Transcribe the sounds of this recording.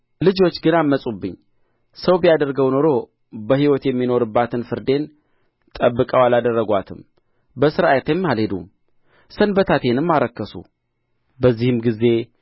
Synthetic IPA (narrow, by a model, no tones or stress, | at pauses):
lɨd͡ʒo̞t͡ʃːɡɨnamːəsʼubːɨɲː | səwbijad̪əɾɡəwno̞ɾo̞ | bəhiwɔt̪jɛmːino̞ɾɨbːat̪ʰɨnfɨɾd̪e̞n | t̪ʼəbːɨkʼəwalad̪ərːəɡʷat̪ʰɨm | bəsɨɾajɛt̪jɛmːhalhe̞d̪um | sənbət̪ʰat̪ʰe̞nɨmːaɾəkːəsṵ | bəzːihɨmɡize̞